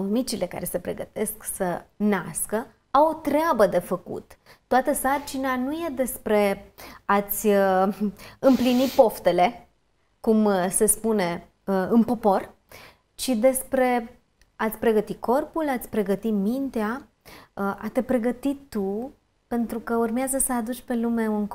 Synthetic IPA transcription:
omit͡ʃile̞ka̰ɾe̞se̞pɾe̞̰ɡə̰t̪e̞sksənaskə | awot̪ɾeabəd̪e̞fəkṵt̪t̪ːoat̪əsart͡ʃinanuje̞d̪e̞spɾe̞at̪sʲə | ɨmplinit̪̚po̞ft̪e̞le̞ | kumse̞spune̞ | əɨnpo̞po̞r | t͡ʃid̪e̞spɾe̞ | at̪sʲpɾe̞ɡət̪ikʰo̞rpulat̪sʲpɾe̞ɡət̪imint̪ea | ʔat̪epɾe̞ɡət̪it̪ːu | pe̞nt̪ɾukəurmeazəsəad̪ut͡ʃʲpe̞lume̞unk

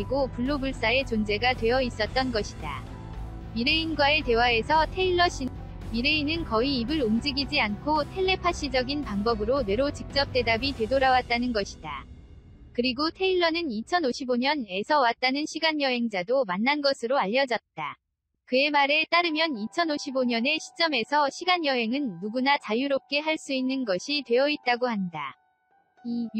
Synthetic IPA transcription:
iɡopuɭːobuɭs͈ae̞t͡ɕond͡ʑe̞ɡatwe̞jʌis͈ʌt̚t͈ʌnɡʌɕʰida̰ | miɾeinɡwaete̞wae̞sʰʌtʰe̞iɭːʌɕi | miɾeinɯnkʌiːbɯɾomd͡ʑiɡid͡ʑiankʰotʰe̞ɭlːe̞pʰaɕ͈id͡ʑʌɡinpaŋbʌbɯɾone̞ɾot͡ɕik̚t͡ɕ͈ʌp̚t͈e̞dabitwe̞doɾawat̚t͈anɯnɡʌɕʰi̥da | kɯɾiɡotʰe̞iɭːʌnɯnit͡ɕʰʌnoɕʰiboɲʌne̞sʰʌwat̚t͈anɯnɕʰiɡaɲjʌɦe̞ŋd͡ʑadomanːanɡʌsʰɯɾoaʎːʌd͡ʑʌt̚t͈a | kɯe̞maɾe̞t͈aɾɯmjʌnit͡ɕʰʌnoɕʰiboɲʌne̞ɕʰi̥t͡ɕ͈ʌme̞sʰʌɕʰiɡanjʌɦe̞ŋɯnːuɡunat͡ɕajuɾop̚k͈e̞ɦaɭs͈uinːɯnɡʌɕʰitwe̞jʌit̚t͈aɡohanda

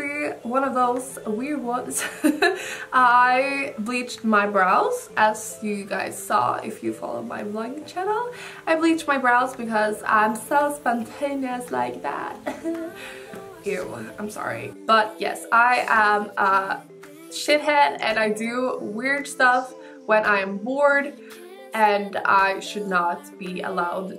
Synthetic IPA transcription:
iwʌ̃nʌvðoʊz̥wɪɹd̚wʌ̃nz̥ | ʔaɪblit͡ʃt̚maɪbɹaʊz̥ʔɨz̥ | jɨɡaɪz̥sɔ̰ɪ̰fjɨfɑ̰lˠo̰ʊd̚ma̰ɪblʌ̃ŋt͡ʃʰænl̩ˠʔaɪblit͡ʃ̚maɪbɹaʊzbɨkʌzã̰ɪ̃msoʊspɑ̃ntʰẽɪ̃niɨsla̰ɪk̚ðæ̰t̚ | jʉã̰ɪ̃msɑ̰ɹḭb̥ʌt̚jɛ̰saɪʔə̃mʔʌ | ʃɪt̚ɦɛdɨ̰̃naɪdɨwɪɹd̥stʌf | wə̃nʔaɪɨ̃mbɔɹd | ʔɨ̃na̰ɪʃɨdⁿnət̚b̥iə̰laʊd̚

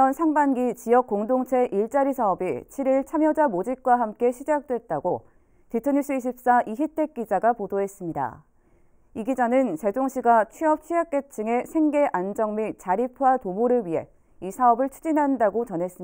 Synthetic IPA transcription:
ʌnsʰaŋbanɡit͡ɕiʌk͈̚oŋdoŋt͡ɕʰe̞ʔiɭt͡ɕ͈aɾisʰaʌbit͡ɕʰiɾiɭt͡ɕʰamjʌd͡ʑamod͡ʑik̚k͈waɦamk͈e̞ɕʰid͡ʑak̚t͈we̞t̚t͈aɡo | titʰɯɲis͈ʰɯiɕ̬ʰip̚s͈aʔiçitʰe̞k̚k͈id͡ʑaɡapodoɦe̞s͈ɯmɲida̰ | iɡid͡ʑanɯnt͡ɕe̞doŋɕʰiɡat͡ɕʰɥiʌp̚t͡ɕʰɥiak͈e̞t͡ɕʰɯŋe̞sʰe̞ŋɡe̞ʔand͡ʑʌŋmit͡ɕaɾipʰuwatomoɾɯɭɥiɦe̞̰ | isʰaʌbɯɭt͡ɕʰud͡ʑinɦandaɡot͡ɕʌnɦe̞s͈ɯm

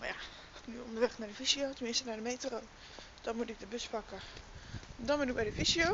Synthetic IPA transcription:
maja | nyo̰ndərʋɛxnadəfisiotəmɪstənadəmejtərow | d̥ɔnmutɪk̚dəbøsfakə | dɔnbɪnɪk̚bɛjdəfisio

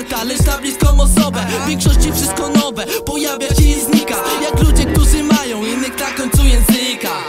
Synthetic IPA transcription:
ɾt̪alɛst̪ablʲiskɔw̃mɔsɔbɛvʲjɛ̃ŋkʂɔɕt͡ɕifʂɪst̪̚kɔnɔvɛpɔjavʲjaɕɛjɛzɲikajaklud͡ʑɛk̚t̪uʐɨmajɔ̃w̃inːɪkt̪akɔɲt̪sujɛ̃nzɪka

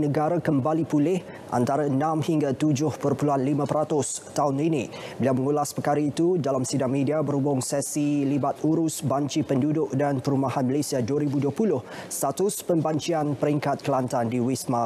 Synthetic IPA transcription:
nəɡaɾakəmbalipulɪh | ʔa̰nt̪aɾanãmhiŋɡat̪ud͡ʒʊhpərpuluanlimãpəɾat̪ʊst̪aʊninibilawməŋulaspəkaɾait̪udalamsidaŋmidiabəɾubʊŋsɛsilibat̪̚uɾʊsbaɲt͡ʃipəndudʊʔdanpəɾumahanməlesiaduəɾibuduəpulʊh | st̪at̪ʊspəmbaɲt͡ʃianpəɾiŋkat̪̚kəlant̪andiwisma

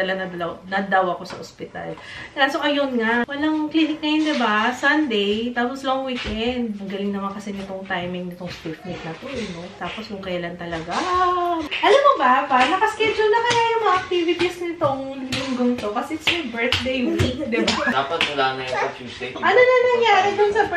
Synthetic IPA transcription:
ɐlanɐd̪ɐlɐwnɐd̪ɐwɐko̞sɐʔospɪt̪a̰l | asokɐjonŋawɐlaŋklinɪk̚nɐjond̪ɪbasɐnd̪ɛjt̪aːposloŋwiːkʔɛnd̪̚mɐɡɐlɪŋnɐmakɐsɛnɪt̪o̞ŋt̪ajmɪŋnɪt̪oŋst̪ifnɪk̪̚nɐt̪oʔɐnot̪aːpo̞skʊŋkɐjɐlant̪ɐlɐɡa | ʔɐlamobɐpanɐkɐskɛd͡ʒʊlnɐmɐnajʊŋmɐŋaʔɐk̚t̪iːvɪt̪isnɪt̪oŋlʊŋɡoŋt̪o̞kɐsɛɪt̪smɛbɛɹt̪d̪ejwid̪ɪbad̪aːpɐt̪̚mɐlanɐjisʔɐnonɐnɐŋjaːɾɪd̪ʊnsɐb

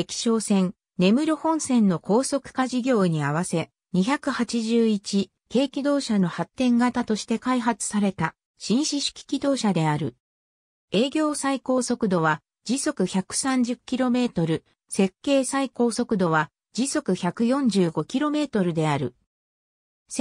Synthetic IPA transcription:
ekʲi̥ɕo̞ːsẽ̞ŋ | ne̞mɯ̟ɾʲohõ̞ɰ̃sẽ̞nːo̞ko̞ːso̞kɯ̟̥kaʑiɡʲo̞ːɲ̟iaβase̞ | ɲ̟içakɯ̟hat͡ɕiʑɨːit͡ɕi | ke̞ːkʲid̪o̞ːɕano̞hat̪ːẽ̞ŋɡat̪at̪o̞ɕi̥t̪e̞kaiɦat͡sɨ̥saɾe̞t̪a | ɕĩɰ̃ɕiɕi̥kʲi̥kʲid̪o̞ːɕad̪e̞aɾɯ̟̰ | e̞ːɡʲo̞ːsaiko̞ːso̞kɯ̟d̪o̞βa | d͡ʑiso̞kɯ̟çakɯ̟̥sãɲ̟d͡ʑɨkʲːiɾo̞me̞ːt̪o̞ɾɯ̟ | se̞kːe̞ːsaiko̞ːso̞kɯ̟d̪o̞β̞a | d͡ʑiso̞kɯ̟çakɯ̟jõ̞ɲd͡ʑɨːɡo̞kʲiɾo̞me̞ːt̪o̞ɾɯ̟d̪e̞aɾɯ̟ | s

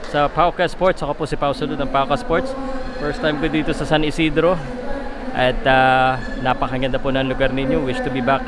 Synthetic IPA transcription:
sɐpawkɐspoɹt̪sɐkopʊsɪpawsɐlonɐŋpawkɐspoɹt̪sfɛɹst̪ajmkʊd̪iːt̪osɐsɐnɪsiːd̪ɾo̞ | ʔɐt̪̚a | napɐkɐɡɐnd̪ɐpʊnɐŋlʊɡaɾnɪɲowɪʃt̪ʊbibak

